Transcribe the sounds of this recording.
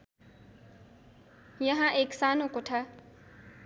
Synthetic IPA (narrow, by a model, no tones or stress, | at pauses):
jəɦãʔeːksaːnõːkoʈʰaː